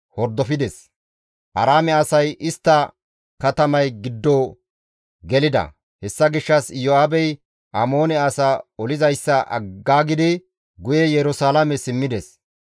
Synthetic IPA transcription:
hɔɾd̪ːɔfɪd̪ɛs | ʔɐɾaːmɛasɐjʔɪst̪ːɐ | kɐt̪ɐmɐjɡɪd̪ːoː | ɡɛlɪd̪ɐ̰ | hɛsːɐɡɪʃːɐsjoaːbɛj | ʔamo̞ːnɛaːsaɔlɪzɐjsːɐʔɐ̰ɡːaːɡɪd̪ɪ | ɡʊjɛjɛɾʊsaːlɐmɛsɪmːɪd̪ɛs

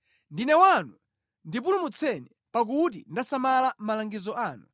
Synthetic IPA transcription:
ndinɛwanu | ndip̬ulumut͡sʰɛni | pak̬ut̬indasamalam̩malaŋɡizɔʔaːnu

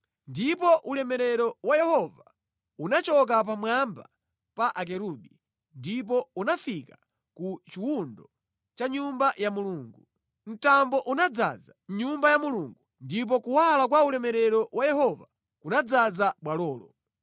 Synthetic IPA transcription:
ndipɔʔulɛmɛɾɛɾɔwajɛhɔva | unat͡ʃɔk̬ap̬amwamba̰ | paʔak̬ɛɾuɓi | ndip̬ɔunafika | kut͡ʃiwundɔ | t͡ʃaɲumbajamuluːŋɡu | n̩tambɔʔunad͡za̰d͡zaɲumbajamuluŋɡu | ndip̬ɔkuwalak̬waulɛmɛɾɛɾɔwajɛhɔva | kunad͡zad͡zaɓwalɔːlɔ̰

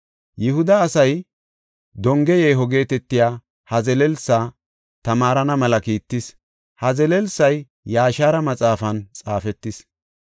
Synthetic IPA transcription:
jɪhʊd̪ɐːsɐj | d̪ɔŋɡɛjeːɦɔɡe̞ːt̪ɛt̪ːɪjaː | hɐzɛlɛlsaː | t̪ɐmaːɾɐnɐmɐlɐkiːt̪ːɪs | hɐzɛlɛlsɐjː | aːʃaːɾɐmɐt͡sʼaːfɐnt͡sʼaːfɛt̪ːɪs

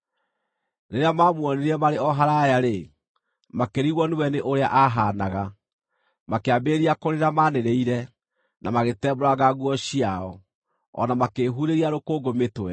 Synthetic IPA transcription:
neɾeamaːmwɔneɾiɛmaɾeɔɦaɾajaɾe | makeɾiɣwɔniwɛneʔoɾea̰ʔaɦanaɣa | makeabeɾiakoɾeɾamaneɾeiɾɛ | namaɣetɛːboɾaɣaɣwɔɕiaɔ | ɔ̰namakeːɦuɾeɾiaɾokoːɡometwɛ

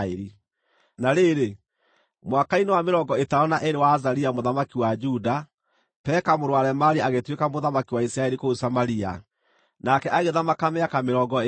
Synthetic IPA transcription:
eɾi | naɾeɾe | mwakainewameɾɔɡɔetaɔnaʔeɾewaːzaɾiamoðamakiwad͡ʒuda | pɛːkamoɾowaɾɛmaɾiaɣetwekamoðamakiwaisɾaɛɾikousamaɾia̰ | nakɛʔaɣeðamakameakameɾɔːɡɔ

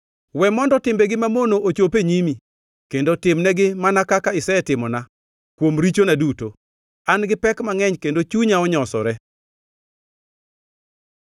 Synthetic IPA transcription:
wɛmɔndɔtɪmbɛɡɪmamonoʔot͡ʃopeɲimi | kendotɪmnɛɡɪmanakakaɪsɛɛtɪmɔna | kwomɾit͡ʃonaduto | anɡɪpɛkmaŋɛɲkendot͡ʃuɲaɔɲɔsɔ̰ɾɛ

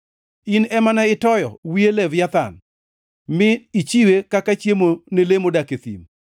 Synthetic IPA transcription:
inɛmanaɪtɔjɔ̰wielɛvjat̪a̰n | mɪit͡ʃiwekakat͡ʃjemonelemodaket̪ḭm

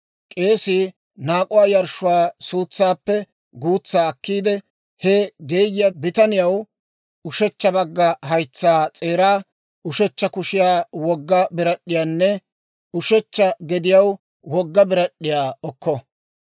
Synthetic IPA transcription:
kʼe̞ːsɪ | naːkʼʊwaːjɐɾʃʊwaːsuːt͡sːaːpːɛ | ɡuːt͡sːaːɐkːiːd̪ɛ | hɛɡe̞ːjjɐbɪt̪ɐnɪjɐw | ʊʃɛt͡ʃːɐbɐɡːɐɦɐjt͡sːaːt͡sʼe̞ːɾaː | ʊʃɛt͡ʃːɐkʊʃɪjaːwɔɡːɐbɪɾɐɗɪjaːnːɛ | ʊʃɛt͡ʃːɐɡɛd̪ɪjɐw | wɔɡːɐbɪɾɐɗːɪjaːɔkːɔ

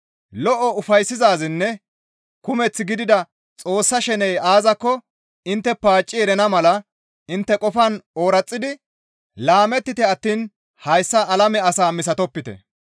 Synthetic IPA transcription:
lɔʔɔʊfɐjsːɪzaːzɪnːɛ | kʊmɛt͡sːɪɡɪd̪ɪd̪ɐ | t͡sʼo̞ːsːɐʃɛnɛjaːzɐkːɔ | ɪnt̪ːɛpaːt͡ʃʼːɪɛɾɛnɐmɐlɐ | ɪnt̪ːɛkʼɔfɐnoːɾɐt͡sʼːɪd̪ɪ | laːmɛt̪ːɪt̪ɛɐt̪ːiːn | hɐjsːɐʔːlɐmɛɐsaːmɪs̬ɐt̪ɔpːɪt̪ɛ̰

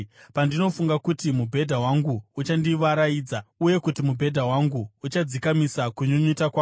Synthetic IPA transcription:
pandino̞fuŋɡakutimubʱe̞dʱawaŋɡuːt͡ʃandiʋaɾajiːd͡zauje̞kutimubʱe̞dʱawaŋɡuut͡ʃad͡zikamisakuɲuɲutakwaː

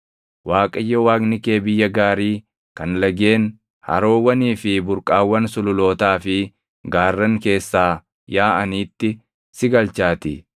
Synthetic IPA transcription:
waːkʼɐjːɐwaːɡnɪke̞ːbɪjːɐɡaːɾiː | kɐnlɐɡe̞ːn | hɐ̰ɾo̞ːwːɐniːfɪbʊɾkʼaːwːɐnsʊlʊlo̞ːt̪aːfɪ | ɡaːrːɐŋke̞ːsːaː | jaːʔɐniːt̪ːɪ | sɪɡɐlt͡ʃaːt̪ɪ

